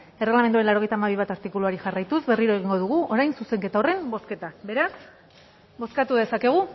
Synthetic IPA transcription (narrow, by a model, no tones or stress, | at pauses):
e̞reɣlame̞nd̪uaenlawɾo̞e̞jt̪amaβ̞iβ̞at̪aɾt̪ikuluaɾiʝarajt̪uzβe̞riɾo̞e̞ɣ̞iŋɡo̞ðuɣ̞uʔo̞ɾajnsuse̞ŋke̞t̪ao̞re̞mbo̞ske̞t̪abe̞ɾas | bo̞skat̪uðe̞sakeɣ̞u